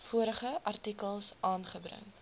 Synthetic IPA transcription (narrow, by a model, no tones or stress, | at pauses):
fuəɾəχəʔɐrtikəlˠsɑːnχəbɾə̰ŋ